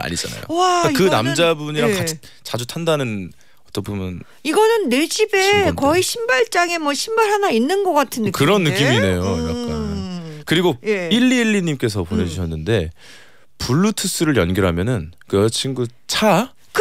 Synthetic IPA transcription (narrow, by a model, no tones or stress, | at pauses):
a̰ɲid͡ʑa̰na̰jo̰akakɯnamd͡ʑabuɲiɾakai̥ | t͡ɕad͡ʑutʰandanɯn | ʌt͈ʌpʰomjʌn | iɡʌnɯnːe̞d͡ʑibe̞kʌiɕʰimbaɭt͡ɕ͈aŋe̞mwʌɕʰimbaɾɦanainːɯnɡʌk͈atʰɯnːɯkɯɾʌnːɯk͈ːimiːne̞joakk͈akɯɾiɡoiɭːiːɭːiɲimk͈e̞sʰʌpoɲʌd͡ʑuɕʰʌnːɯnde̞ | puɭːutʰɯs͈ɯɾɯɭjʌnɡʌɾɦamjʌnɯnkɯt͡ɕʰinɡu | t͡ɕʰa | k